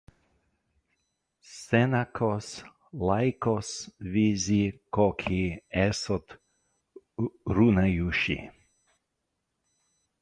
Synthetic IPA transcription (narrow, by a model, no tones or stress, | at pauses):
sɛnakʰɔs | lajkɔsvizikɔkʰiɛsɔt̪ | ɾunajuʃḭ